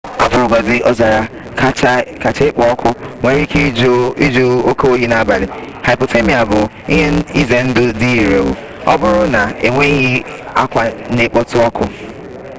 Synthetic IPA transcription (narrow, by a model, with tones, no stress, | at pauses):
a̰˦pʊ˨ɾʊ˨ɡʷa˨zɪ˨ʔɔ˦za˨ɾa˨˦ | t͡ʃka˨t͡ʃe˦ɪ˦k͡pɔ˦ɔ˦kʰʊ˦ŋʷe˨ɾi˦ke˦d͡ʒi˦d͡ʒo˦o˦ko˦o˦ɦi˦na˦ba˨lɪ˨ha˨ɪ˨po˨te˦mi˨a˨bʊ˨ | ḭ˦ɦe˦i˦ze˨n̩˦dʊ˦di˦i˨ɾe˨wu˨ | ɔ˦bʊ˦ɾʊ˦na˨e˨ŋʷe˦ɦɪ˦ | a˦kʷa˨ne˨k͡pɔ˦tʊ˦ɔ˦kʰʊ˦